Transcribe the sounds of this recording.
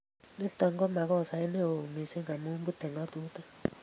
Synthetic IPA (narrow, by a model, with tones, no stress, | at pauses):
ni˦tɔ˨ŋɡɔ˦ma˨kɔ˦˨sa˨i˦ne˦o˨mi˨se˦ŋɡa˨mu˦mbu˦tɛ˨ŋɔ˦tu˦ta˦